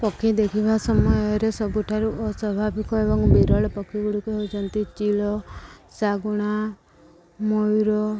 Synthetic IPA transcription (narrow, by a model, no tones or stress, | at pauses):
pɔkʰːĩd̪ekʰibʱasɔmɔjɔɾesɔbuʈʰaɾuʔɔsɔbʱabikɔebɔŋkbiɾɔɭɔpɔkʰːiɡuɽikuɦeut͡ʃʰɔnt̪it͡ʃilɔsaɡuɽ̃a | mojɾɔ